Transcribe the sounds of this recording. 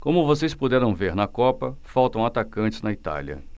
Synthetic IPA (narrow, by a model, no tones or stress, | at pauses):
kõmʊvosejspud̪ɛɾɐ̃w̃veɾnɐkɔpɐfawt̪ɐ̃w̃at̪akɐ̃nt͡ʃɪznɐit̪a̰liɐ̰